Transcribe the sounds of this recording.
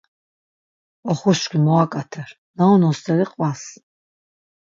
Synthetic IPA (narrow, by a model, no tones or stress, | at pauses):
ɔχuʃkʷʰimɔakʼat̪ʰɛɾ | naɔnɔst̪ʰɛɾiqʼwas